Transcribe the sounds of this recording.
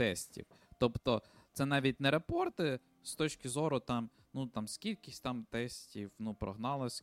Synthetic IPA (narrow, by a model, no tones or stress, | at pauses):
t̪ɛsʲtʲḭw | t̪ɔpt̪ɔt̪sɛnɑʋʲit̚ʲnɛɾepɔrt̪ɪ | st̪ɔt͡ʃkʲɪzɔɾʊt̪ɑm | nut̪ɑmskʲilʲkʲɪsʲt̪ɑmt̪ɛsʲtʲiwnupɾɔ̰ɦnɑlˠɔsʲ